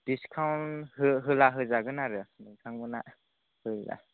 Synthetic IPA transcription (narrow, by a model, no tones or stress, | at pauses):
d̥iskʰawnhɯɦɯlaɦɯzaɡɯnaɾɯnɯjkʰaŋbɯna | hɯjza̰